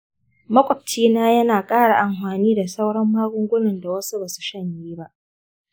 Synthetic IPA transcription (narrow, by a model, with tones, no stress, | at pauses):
mɐ˦kʷʼɔ˨p̚t͡ʃiː˦naː˦jɐ˦naː˨kʼaː˦ɽa˨ʔa˨mɸaː˨niː˦da˨sa˦wɽɐ˦mːaː˦ɡʷʊ˦ŋɡʷʊ˦nɪ˨nda˨wɐ˦su˦baː˨su̥˨ʃɐ˦˨ɲjiː˦ba˦ʔ